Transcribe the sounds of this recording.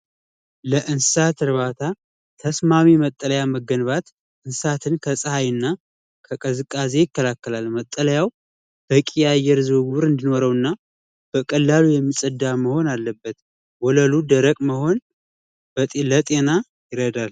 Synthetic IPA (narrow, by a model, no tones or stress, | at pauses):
ləʔɨnsɨsat̪ʰɨɾβat̪ʰa | t̪ʰəsmamimət̪ʼːələjaməɡːənβat̪ | ʔɨnsat̪ʰɨnkʰəsʼəhajɨnːa | kʰəkʼəzɨkʼːaze̞jɪkːəlakːəlalmət̪ʼːələjaw | b̥əkʼijajːɛɾzɨɡuβɾɨnd̪ino̞ɾəwɨnːa | b̥əkʼəlːalujɛmːisʼəd̪ːaməho̞nalːəbːət̪ | wɔləlud̪əɾəkʼməho̞n | bələt̪ʼe̞na | jɪɾəd̪al